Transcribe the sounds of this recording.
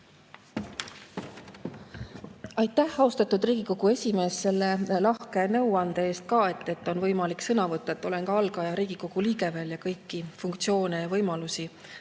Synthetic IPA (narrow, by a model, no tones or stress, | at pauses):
ɑjt̪ːˑæhɑost̪ɑt̪ːud̪riːɡ̥iko̞ɡ̥ue̞sʲime̞ːsːe̞lːe̞lɑhke̞nɤ̞wɑnd̪ee̞ːst̪̚kɑːe̞t̪ːˑe̞t̪ːˑo̞nvɤjmɑliksɤnɑvɤt̪ˑːɑet̪ːˑo̞le̞nkɑɑlɡɑjɑɾiːɡ̥iko̞ɡ̥uliːɡe̞veljɑkɤjkˑːifuŋkt̪sio̞ːnejɑvɤjmɑlusi